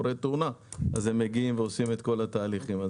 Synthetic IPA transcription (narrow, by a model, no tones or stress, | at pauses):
ɾet̪eunaaze̞mːeɡiimveo̞sime̞t̪ko̞lat̪aːliχima